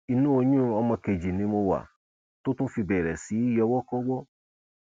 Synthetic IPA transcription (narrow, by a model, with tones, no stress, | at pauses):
i˧nũ˦o˧ɲũ˦˨ɔ˧mɔ̃˧ke˨d͡ʒi˨nĩ˨˦mo˧wa̰˨ | to˦tũ˦fi˧bɛ˨ɾɛ˨si˨˦i˦jɔ˧wɔ˦kɔ˦wɔ˦